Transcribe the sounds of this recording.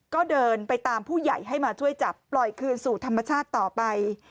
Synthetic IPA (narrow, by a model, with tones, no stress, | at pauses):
kɔː˥˩dɤː˧npa˧jt̪aː˧mpʰuː˥˩ja˨˩jɦa˥˩jmaː˧t͡ɕʰu˥˩əjt͡ɕa˨˩pːlɔ˨˩jkʰɯː˧nsuː˨˩t̪ʰa˧mːa˧t͡ɕʰaː˥˩t̪ːɔː˨˩pa˧j